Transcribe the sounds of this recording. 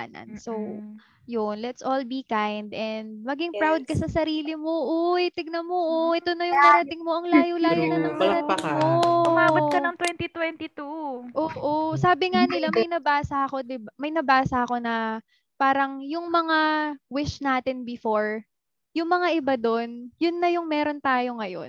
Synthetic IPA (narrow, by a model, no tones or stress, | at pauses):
a̰nɐ̰nsow | jonlɛt̪sʔolbikajnd̪ʔɛnd̪̚mɐɡɪŋpɹawd̪̚kɐsɐsɐɾiːlɪmoʔojt̪ɪɡ̚nɐmoʔoʔɛt̪onɐjʊŋpɐɾɐt̪ɪŋmo̞ʔɐŋlaːjolaːjonɐnɐŋpɐɾɐt̪ɪŋmoʊmaːwɐtkɐɐŋt̪wɛnt̪it̪wɛnt̪it̪uʔoːʔosaːbɪŋanɪlamɐjnɐbaːsɐʔɐko̞d̪ɪbamɐjnɐbaːsɐʔɐko̞nɐ | paːɾɐŋjʊŋmɐŋawɪʃnaːt̪ɪnbɪfo̞ɹ | jʊŋmɐŋaʔɪbad̪o̞njʊnːɐjʊŋmɛːɾo̞nt̪aːjo̞ŋɐjo̞̰n